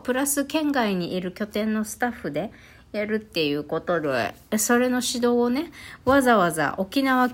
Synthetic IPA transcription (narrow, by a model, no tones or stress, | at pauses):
pɯ̟ɾasɨkẽ̞ŋɡaiɲ̟iʔiɾɯ̟kʲo̞t̪ẽ̞nːo̞sɨ̥t̪aɸːɯ̟d̪e̞ | jaɾɯ̟t̪ːe̞jɯ̟ːko̞t̪o̞ɾoḛ | so̞ɾe̞no̞ɕid̪o̞ːne̞βazaβaza̰ʔo̞kʲinaβa